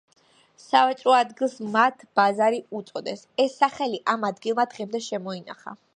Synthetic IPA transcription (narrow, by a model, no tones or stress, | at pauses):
savɛt͡ʃʼɾɔad̪ɡilˠsmat̪ʰb̥azaɾiut̪sʼɔd̪ɛs | ɛsːaχɛliʔamad̪ɡilˠmad̪ʁɛmd̪ɛʃɛmɔina̰χa̰